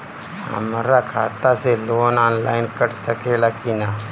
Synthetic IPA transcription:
ɦə̰maɾakʰat̪aseloːnɔnlainkəʈsəkelakina

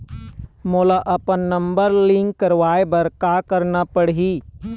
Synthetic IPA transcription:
moːlaʔɐpənːɐ̃mbəɾlɪ̃ŋkːəɾʋaːebəɾkakəɾnapəɽɦiː

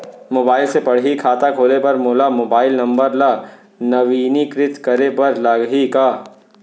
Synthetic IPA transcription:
moːbaːɪlsepɐɽ̤ɦikʰaːt̪akʰoːlepɐɾmoːlamoːbaːɪlnɐ̃mbəɾla | nɐʋiːnikɾɪt̪kɐɾepɐɾlɐɡɦikaː

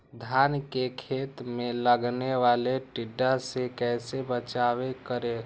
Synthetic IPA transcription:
d̪ʱjaːnkekʰeːt̪mẽləɡneʋaːleʈɪɖːasekɛːsebət͡ʃaːwekəɾe

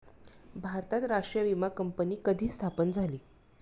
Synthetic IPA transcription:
bʱaɾt̪at̪ɾaʂʈɾijəʋimakəmpəniːkəd̪ʱiːst̪ʰapənd͡zʱaliː

